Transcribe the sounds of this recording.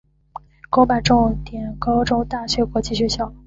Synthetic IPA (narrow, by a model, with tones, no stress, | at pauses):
ko˥ʊpa˨˧˩ʈ͡ʂʊ˥˧ŋt̪jɛ˨˩nkɑ˥ʊʈ͡ʂo˥ʊt̪a˥˩ɕɥɛ˧˥kwɔ˧˥t͡ɕi˥˩ɕɥɛ˧˥ɕjɑ˥˩ʊ